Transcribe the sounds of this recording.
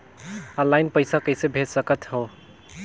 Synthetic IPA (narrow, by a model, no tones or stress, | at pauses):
ə̃lːajnpəjsakəjsebʱet̪səkət̪ɦo